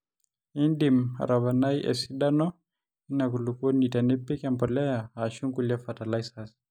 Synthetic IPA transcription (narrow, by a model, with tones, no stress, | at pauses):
i˦ndima̰˨ɾaβa˨na˦jʔɛ̰˨si˦ɗa˦nɔ˦ | i˦na˨ku˨lu˨ko˦ni˨ta˨ni˦pːi˦kambɔ˨lɛ˦jaː˨ʃu˦ŋkula˦fa˨ta˨lajsas